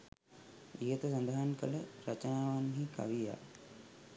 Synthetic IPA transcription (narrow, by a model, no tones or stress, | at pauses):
ijət̪əs̬ɐnd̪aɦankələɾət͡ʃənaːʋanɦika̰ʋija̰ː